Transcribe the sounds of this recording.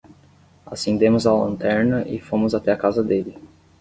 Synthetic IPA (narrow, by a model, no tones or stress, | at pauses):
a̰sẽnd̪ẽmʊzalɐ̰̃nt̪ɛɾnɐʔɪfõmʊzat̪ɛakazɐd̪elɪ